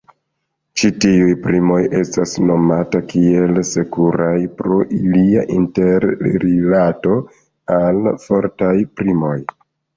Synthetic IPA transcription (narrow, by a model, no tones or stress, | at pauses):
t͡ʃitiujpɾimoje̞stasno̞matakie̞lse̞kuɾajpɾo̞ʔilia̰ʔinte̞ɾɾilato̞ | alfo̞ɾtajpɾimo̞j